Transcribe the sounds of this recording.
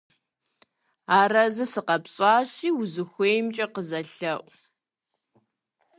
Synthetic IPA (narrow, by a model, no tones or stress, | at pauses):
aːrɐzɨsɨqɐpɕʼaːɕiːwʊzɨxʷeːjmt͡ʃʼɐqəzɐɬɐʔʷʼ